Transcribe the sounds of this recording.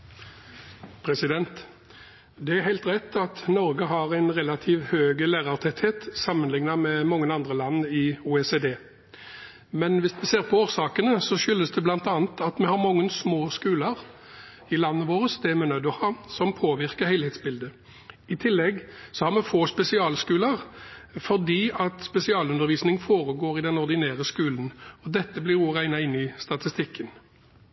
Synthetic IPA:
pʰɾɛsɪd̪ɛnt̪ | d̪ɛæɾhæɪlt̪ʁɛt̪ʰːɑt̪nɔɾɡəɦɑʁæɪnʁɛlɑt̪ʰiːʋhøːɡəlæːʁɑʁt̪ʰɛt̪heːt̪sɑmːənlɪŋnɑmɛmɑŋːənɑnd̪ʁəlɑnːɪuːeseːd̪eː | mɛnʋɪsmɛseːʁpʰɔoːʁsɑːkənəsɔʃʏlːəsd̪ɛblɑnt̪ɑːnət̪ɑt̪mɛhɑʁmɑŋːənsmoːskʉːləʁ | ɪlɑnːəʋoːɾəsd̪ɛmɛnœd̪ɔhɑːsɔmpʰoːʋɪʁkəhæɪlhɛːt̪sbɪld̪ə | ɪt̪ʰɪlːɛɡsɔhɑʁmɛfoːspɛsɪɑːlskʉːləʁfɔʁd̪iːɑt̪spɛsɪɑːlʉnəɾʋiːsnɪŋfoːʁəɡoːɾɪd̪ɛnɔʁd̪ɪnæːʁəskʉːlən̩ɔd̪ɛt̪ːəblɪʁuːʁæɪnɑɪnːɪst̪ɑt̪ɪst̪ɪkʰːən

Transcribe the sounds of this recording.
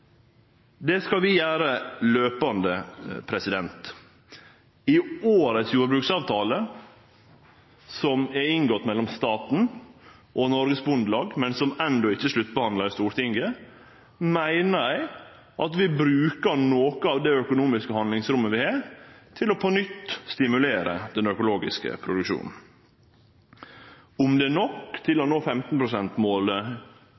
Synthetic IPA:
d̪ɛskɑlʋɪjæːɾəløːpɑnd̪əpʰɾɛsɪd̪ɛnt̪ | ɪoːɾəsjuːɾəbɾʉːksɑːʋt̪ʰɑːlə | sɔmɛɾɪŋɡɔt̪ːmɛlːɔmst̪ɑːt̪n̩ | ʔɔnɔɾɡəsbʉnd̪lɑːɡmɛnsɔmɛnd̪ɔɪçːəʂlʉt̪ːbəhɑnd̪lɑɾɪst̪uːɾʈʰɪŋɡə | mæɪnəɾæɪ | ʔɑt̪ʋɪbɾʉːkəɾnoːkəɑːʋd̪æœkʊnuːmɪskəhɑnd̪lɪŋsɾʉmːəʋɪhɑːt̪ʰɪlɔpʰɔnʏt̪ːst̪ɪmʉleːɾə̰d̪ɛnœkʊloːɡɪ̰skə̰pʰɾʊd̪ʉkʃṵːnn̩ | ʊmd̪ɛnɔkt̪ʰɪlɔnoːfɛmt̪n̩pʰɾʊsɛnt̪moːlə

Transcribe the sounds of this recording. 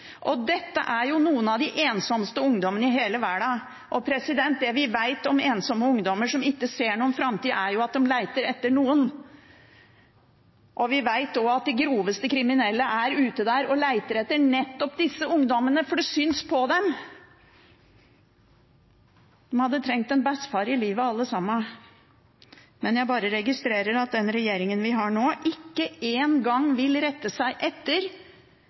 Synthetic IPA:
ʔɔd̪ɛt̪ːə̰ʔæɾjʊnuːənɑʋd̪ɪʔeːnsɔmst̪əʊŋd̪ɔmənəɪɦeːləʋæɖɑ | ʔɔpʰɾɛsɪd̪ɛnt̪̚d̪ɛʋɪʋæɪt̪ɔmeːnsɔmːəʊŋd̪ɔməʂɔmɪkːəseːɳuːənfɾɑmt̪iːd̪əæɾjʊɑt̪̚d̪ɛmlæɪt̪əɾɛt̪ːəɳuːən | ʔɔʋɪʋæɪt̪ɔɑt̪̚d̪ɛɡɾuːʋəst̪əkʰɾɪmɪnɛlːəʔæɾʉːt̪əd̪æɾɔlæɪt̪əɾɛt̪ːəɳɛt̪ːɔpd̪ɪsːəʊŋd̪ɔmənəfɔɖɛsʏnspʰɔd̪ɛm | d̪̥ɛmhɑd̪ːət̪ʰɾɛŋk̚t̪ɛnbɛsfɑɾɪliːʋəɑlːəsɑmːə | mɛnjæɪbɑːɾəɾɛɡɪst̪ɾeːɾəɾɑt̪̚d̪ɛnɾɛjeːɾɪŋənʋɪɦɑɳoːʔɪkːəeːnɡɑŋːʋɪlɾɛt̪ːəsæɪʔɛt̪ːəɾ

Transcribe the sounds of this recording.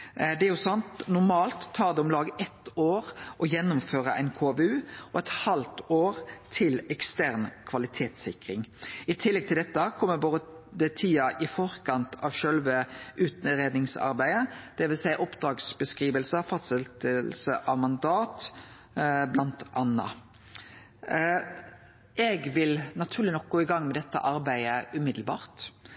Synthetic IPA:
d̪ɛæɾjʊsɑnt̪nʊɾmɑːlt̪ʰːɑːɾd̪ɛʊmlɑːɡʔɛt̪oːɾʔɔjɛnːʊmføːɾəʔæɪnkʰoːbʉːɔɛt̪hɑlt̪oːɾt̪ʰɪlɛkst̪æʁnkʰʋɑlɪt̪ʰeːt̪sɪkɾɪŋɪt̪ʰɪlːɛɡ̚t̪ʰɪld̪ɛt̪ːəkʰɔmːəboːd̪əd̪ət̪ʰiːɑʔɪfɔɾkʰɑnt̪ʰɑʋʃœlʋəʔʉːt̪nɾeːd̪nɪŋsɑ̰ɾbæɪəd̪̥ɛʋɪlsæɪʔɔpd̪ʁɑːɡsbəskʁiːʋəlsəfɑst̪səlt̪əlsəʔɑʋmɑnd̪ɑːt̪ | blɑnt̪ʔɑnːɑ̰ | ɛɡʋɪlnɑt̪ʰʉːʁlɪnɔk̚ɡoːɪɡɑŋːmɛd̪ɛt̪ːə̰ʔɑɾbæɪəʉːmɪd̪l̩bɑ̰ːʁt̪

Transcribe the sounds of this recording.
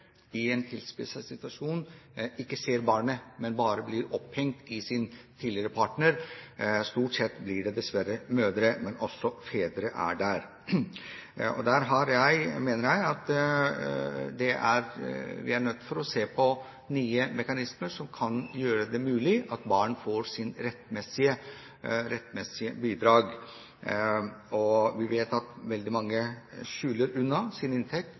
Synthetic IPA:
ɪɛnt̪ʰɪlspɪsəsɪt̪ʉɑʂuːnɪkːəseːɾbɑːɳəmɛnbɑːɾəblɪɾɔphɛŋt̪ɪsɪnt̪ʰiːlɪəɾəpʰɑʈɳəɾst̪uːʈsɛt̪ːblɪɖɛd̪ɛsʋæɾəmøːd̪ɾəmɛnʔɔsːɔfeːd̪ɾəʔæ̰ɖæɾ | ɔ̰d̪æɾɦɑɾjæɪmeːnəɾjæɪɑt̪ | d̪ɛʔæɾʋɪ̰æɳœt̪ːfɔɾɔseːpʰɔ | nyːəmɛkɑnɪsməɾʂɔmkʰɑnjøːɾəd̪ɛmʉːlɪʔɑt̪bɑːɳfoːɾsɪnɾɛt̪ːmɛsɪə | ɾɛt̪ːmɛsɪəbiːd̪ɾɑːɡ | ɔʋɪʋeːt̪ɑt̪ʋɛld̪ɪmɑŋːəʃʉːləɾʉnːɑsɪnɪnt̪ʰɛk̚t̪

